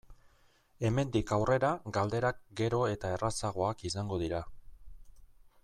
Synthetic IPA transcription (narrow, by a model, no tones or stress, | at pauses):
e̞me̞nd̪ikawre̞ɾaɡald̪e̞ɾak̚ɡe̞ɾo̞e̞t̪ae̞rasaɣ̞o̞akisaŋɡo̞ðiɾa